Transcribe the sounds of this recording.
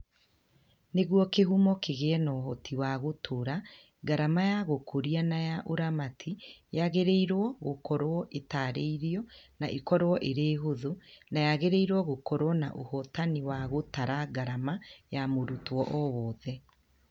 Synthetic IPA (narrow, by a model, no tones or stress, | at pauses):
neɣwɔkeɦumɔkeɣeɛnɔhɔtʰiwaɣotʰoɾa | ɡaɾamajaɣokʰoɾianajaʔoɾamatʰijaɣeɾeiɾɔɣokɔɾwɔʔetaɾḛiɾiɔnaʔekɔɾwɔʔeɾeːɦoðonajaɣeɾeiɾwɔɣokɔɾwɔna̰ʔohɔtaniwaɣotaɾaɡaɾamajamoɾutwɔʔɔwɔːðɛ